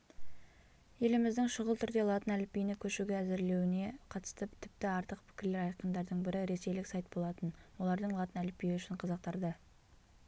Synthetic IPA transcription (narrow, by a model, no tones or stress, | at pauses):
je̞lɪmɪzd̪ɪŋʃʊʁəlˠt̪ʰʏɾd̪e̞lˠɑt̪ənælɪpːijnɪkʲʰɵʃuɡʲeæzɪɾle̞wɪne̞qʰɑt̪ə̥st̪əpt̪ʰɪp̚t̪ɪɑɾt̪əq̚pʰɪ̥kʲʰɪɾle̞ɾɑjqənd̪ɑɾd̪əɴbɪɾɪɾe̞se̞jlɪksɑjt̪̚bo̞lˠɑt̪ənwo̞lˠɑɾd̪əɴlˠɑt̪ənælɪpːijɪʏʃɪɴqʰɑzɑq̚t̪ɑɾd̪ə